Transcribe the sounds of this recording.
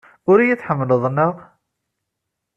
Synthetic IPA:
ʊɾijit͡sːħəmːələðˤnəq

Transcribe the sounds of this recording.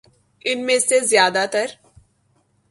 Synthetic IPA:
ɪnmẽsezjaːd̪at̪əɾ

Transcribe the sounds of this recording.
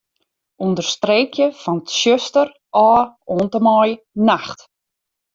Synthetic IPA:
undərstreːkʰjəfɔnətʃøstər | ʔɔːoːntəmɔj | naxt

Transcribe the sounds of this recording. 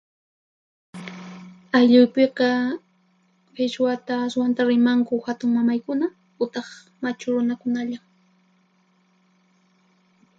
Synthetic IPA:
aʎʊjpeqɑ | fɪʃwat̪aːswant̪aɾɪmaŋkʊhat̪ʊŋmamajkʊna | ʊt̪ɑχ | mat͡ʃʊɾʊnakʊnaʎam

